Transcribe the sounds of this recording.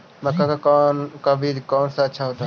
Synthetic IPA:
məkakakːnkabʱikɔːnsaətːʃʰaɦoːt̪a

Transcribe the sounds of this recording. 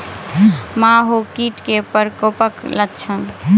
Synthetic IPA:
maɦokiʈkepəɾkopəkləkt͡ʃʰən

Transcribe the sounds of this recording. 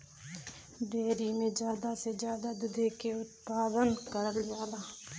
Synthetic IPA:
ɖeːɾimẽd͡ʒjaːd̪ased͡ʒjaːd̪ad̪ʊd̪ʱeːkeʊt̪̚paːd̪ənkəɾəlɪjaːlaː

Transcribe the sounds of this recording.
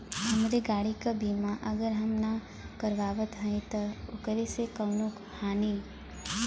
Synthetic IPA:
hɐmɾeɡaːɽikabiːmaʔɐɡəɾɦɐmna | kɐɾʋaːʋət̪ɦə̃ĩt̪ɐʊkɾesekɐwnuk | haːni

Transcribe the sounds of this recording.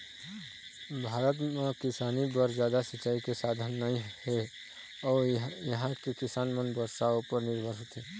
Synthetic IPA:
bʱaːɾət̪mẽkɪsaːnibəɾd͡ʒjaːd̪asət͡ʃaːikesaːd̪ʱənːɐĩhe | ɔːɾjəɦãkekɪsaːnmənbəɾsaopəɾnɪɾbʱəɾɦot̪ʰiː

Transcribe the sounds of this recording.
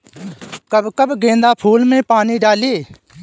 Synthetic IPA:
kəbkəbɡẽːnd̪aːpʰuːlmẽːpaːniːɖaːleː

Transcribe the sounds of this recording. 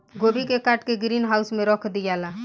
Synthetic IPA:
ɡobikekaʈkeɡɾinɦausmẽɾɔkʰd̪ijala

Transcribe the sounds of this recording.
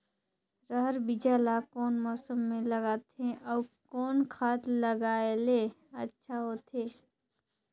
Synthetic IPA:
ɾəɦəɾbɪd͡ʒaːlakɔːnmɔːsəmːẽləɡaːt̪ẽʔɔkɔːnkʰaːt̪ləɡaːele | ɐtːʃʰaɦoːt̪ʰeː

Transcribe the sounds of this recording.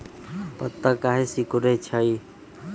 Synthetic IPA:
pət̪ːəkaɦesikuɾet͡ʃʰəj

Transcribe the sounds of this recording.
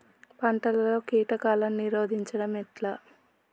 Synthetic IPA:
pɐɳʈɐlɐlo̞ːkiːʈɐkaːlɐmniɾo̞ːd̪ʱiɲt͡ʃɐɽɐmɛʈlaː

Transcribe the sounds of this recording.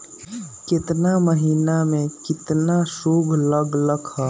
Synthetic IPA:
kɪt̪naməɦiːnamẽkɪt̪naʃoːɡʱləɡləɡɦɛ

